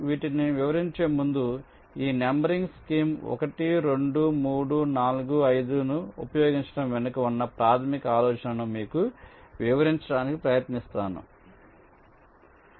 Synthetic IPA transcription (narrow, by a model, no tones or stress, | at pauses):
ʋiːʈiniʋiʋɐɾiɲt͡ʃe̞ːmund̪u | iːnembɐɾiŋɡskiːmɔ̰kɐʈiɾe̞ɳɖumuːɽunaːluɡuɐjd̪unuṵpɐjoːɡiɲt͡ʃɐ̥ɽɐmʋenɐkɐʋunːɐpɾaːt̪ʰɐmikɐaːlɔːt͡ʃɐnɐnumiːkuʋiʋɐɾiɲt͡ʃɐɽaːnikipɾɐjɐt̪nist̪aːnṵ